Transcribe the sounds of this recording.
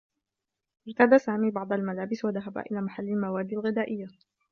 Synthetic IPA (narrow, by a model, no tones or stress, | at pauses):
ʔɪɾt̪ad̪asaːmiːbɑʕd̪ˤalmalaːbɪswaðaɦaba̰ʔɪlaːmaħalːalmawaːd̪ːalɣɪd̪aːʔɪjːa